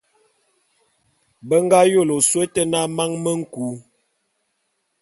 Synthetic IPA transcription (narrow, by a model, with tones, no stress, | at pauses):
bə˦ŋ˦ɡa˦jo˦˨lo˨swe˦tə˦na˦ma˦ŋmə˦ŋ̩˦ku˨˦